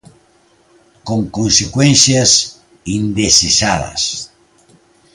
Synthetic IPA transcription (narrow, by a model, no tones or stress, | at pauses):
koŋkonsekwɛnθjas | ind̪esesaðɐ̰s